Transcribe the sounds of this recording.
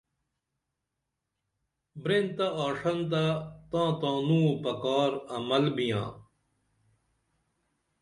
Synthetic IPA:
bɾent̪aaːʂɐnt̪̬at̪ãːt̪ãːnũːpɐkaːɾɐmɐlbijã̰ː

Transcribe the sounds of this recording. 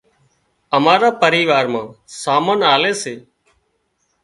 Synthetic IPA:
əmaːɾaːpəɾiːʋaːɾmãːsaːmənaːleːseː

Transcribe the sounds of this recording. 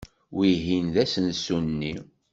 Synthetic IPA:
wiɦinðæsənsunnːi

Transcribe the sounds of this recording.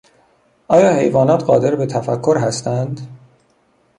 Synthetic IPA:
ʔɒːjɒːhe̞̰jvɒːnɒːt̪ɢɒːd̪e̞ɾbet̪ʰæfækʰːoɾɦæst̪ænd̪

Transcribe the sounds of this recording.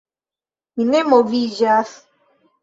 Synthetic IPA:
inemovid͡ʒas

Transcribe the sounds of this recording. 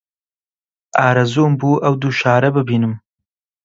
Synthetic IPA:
ʔɑːɾɐzoːmbuːʔɐwd̪uːʃaːɾɐbɨbiːnɨm

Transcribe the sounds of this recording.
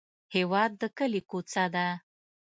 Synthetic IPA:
hewɑd̪ːəkəlikot͡sad̪a

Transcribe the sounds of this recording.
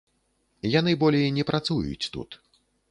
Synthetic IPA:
janɨbɔlʲejnʲɛpɾat̪sujṵt͡sʲt̪ṵt̪

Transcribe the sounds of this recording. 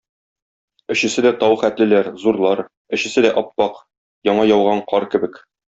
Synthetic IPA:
ɘ̆ɕɘ̆sɘd̪æt̪ɒwχæt̪lɘ̆læɾzuɾlˠɑɾ | ɘ̆ɕɘ̆sɘd̪æʔɒpːɑq | jɒɴɑjɒwʁɑɴqʰɒɾkɘ̆bɘk

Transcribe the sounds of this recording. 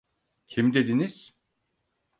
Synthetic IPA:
cʰimd̪e̞d̪iniz̥

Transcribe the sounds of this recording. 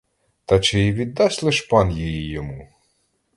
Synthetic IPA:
t̪ɑt͡ʃɪjiʋʲid̪ːɑsʲlˠɪʃpɑnjijijɔmu

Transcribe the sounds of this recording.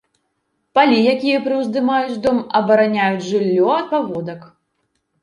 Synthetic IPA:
palʲijakʲijɐpɾɨwzd̪ɨmajut͡sʲd̪ɔmɐbɐɾanʲajud͡zʲʐɨlʲːɔɐt̪̚pavɔd̪ɐk

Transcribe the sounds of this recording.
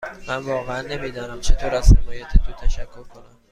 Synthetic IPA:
mænvɒːɣeænːe̞miːd̪ɒːnæmt͡ʃʰe̞t̪ʰoːɾæz̥hemɒːjæt̪ʰet̪ʰoːt̪ʰæʃækʰːo̞ɾkʰo̞næm

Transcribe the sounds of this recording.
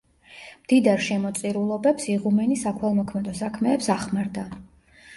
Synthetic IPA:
md̪̥id̪aɾʃɛmɔt̪sʼiɾulˠɔbɛpsiʁumɛnisakʰwɛlˠmɔkʰmɛd̪ɔsakʰmɛːpsaχmaɾd̪a

